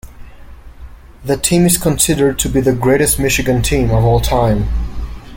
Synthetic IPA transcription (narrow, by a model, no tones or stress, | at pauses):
ðɨtʰĩmɨz̥kʰə̃nsɪɾə˞d̚tʰɨbiðɨɡɹeɪɾɨst̚mɪʃɨɡɨ̃ntʰĩmʌvɔlˠtʰãɪ̃m